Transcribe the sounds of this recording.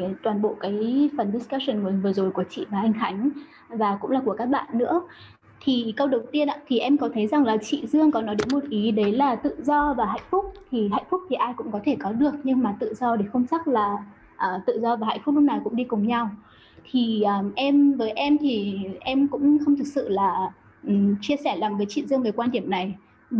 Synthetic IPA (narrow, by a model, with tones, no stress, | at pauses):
t̪waː˨˩nɓo̰˧˨kaː˨˦jfə˨˩nɗi˦˥ska˦sə˨˩nməː˨˦nvɨ˨˩əzo˨˩jku˧˩ət͡ɕḭ˧˨vaː˨˩ʔa˧jŋ̟xa˨˦jŋ̟ | vaː˨˩kʊ̰˧˥ŋ͡mlaː˨˩ku˧˩əkaː˦˥k̚ɓa̰ː˧˨nːɨ̰˧˥ə | t̪ʰi˨˩kə˧wɗə˨˩wt̪i˧ənʔa̰ː˧˥t̪ʰi˨˩ʔɛ˧mkɔ˨˦t̪ʰə˨˦jza˨˩ŋlaː˨˩t͡ɕḭ˧˨zɨ˧əŋkɔ˨˦nɔ˨˦jɗe˨˦nmo˨˩t̚ʔi˨˦ɗə˨˦jlaː˨˩t̪ɨ̰˧˨zɔ˧vaː˨˩ɦa̰ː˧˨jŋ̟fʊ˦˥k͡p̚t̪ʰi˨˩ɦa̰ː˧˨j̟fʊ˦˥k͡p̚t̪ʰi˨˩ʔaː˧jkʊ̰˧˥ŋ͡mkɔ˨˦t̪ʰe˧˩kɔ˨˦ɗɨ˨˩ək̚ɲɨ˧ŋmaː˨˩t̪ɨ̰˧˨zɔ˧ɗe˧˩xə˧wŋ͡mt͡ɕa˦˥k̚laː˨˩ | ʔəː˨˩t̪ɨ̰˧˨zɔ˧vaː˨˩ɦa̰ː˧˨jfk͡p̚lʊ˦˥na˨˩jkʊ̰˧˥ŋ͡mɗi˧kʊ˨˩ŋ͡mɲa˧w | t̪ʰi˨˩ʔəː˨˩ʔɛ˧mvəː˨˦jʔɛ˧mt̪ʰi˨˩ʔɛ˧mkʊ̰˧˥ŋ͡mxə˧wŋ͡mt̪ʰɨ˨˩k̚sɨ̰˧˨laː˨˩ | ʔt͡ɕi˧əsɛ˧˩laː˨˩ŋvəː˨˦jt͡ɕḭ˧˨zɨ˧əŋvəː˨˦jkwaː˧nɗi˧˩əmna˨˩j